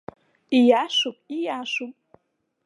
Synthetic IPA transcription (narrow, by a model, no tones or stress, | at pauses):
ijaːʂupʼijaːʂupʼ